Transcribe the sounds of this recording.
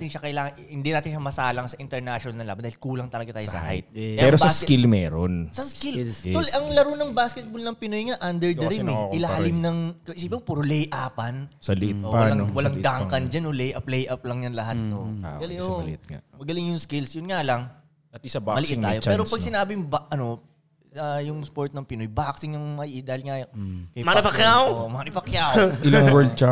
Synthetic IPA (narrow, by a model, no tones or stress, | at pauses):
t̪ɪnʃɐkɐɪlaːŋɐhɪnd̪inaːt̪ɪnʃɐmɐsaːlɐŋsɐʔɪnt̪ɛɹnaʃonɐlnɐnlaːbɐnd̪ahɪlkuːlɐŋt̪ɐlɐɡɐt̪aːjosɐ̰ha̰jt̪̚pɛːɾobsɐskɪlmɛːɾonsɐskɪlt̪olɐŋlɐɾonɐŋbaskɛt̪̚bolnɐŋpɪnojŋaʔɐnd̪ɛɹd̪ɐɾɪmɛɪlahɐlɪmnɐŋkɐʔɪsiːbɪopuːɾolɛjʔaːpɐnsɐlɪʔɪt̪̚ʔowɐlaŋwɐlaŋd̪aŋkɐnd͡ʒɐnːolɛjʔɐp̚lɛjʔɐplɐŋjɐnlɐɦat̪̚nomɐɡɐlɪŋo̰t̪ŋa̰mɐɡɐlɪŋjʊŋskɪlsjʊnŋalɐŋ | ɐt̪ɪsɐbamɐlɪɪŋːaːjoɛːɾopɐɡ̚sɪnaːbɪjʊŋbaʔɐno̞ | ɐjʊŋspoɹt̪̚nɐŋpɪnojbaːksɪŋjʊŋmɐʔɪd̪aːhɪlŋakɐjmaɪpɐkjawomanɪpɐkjawɪlwɛd̪̚t͡ʃa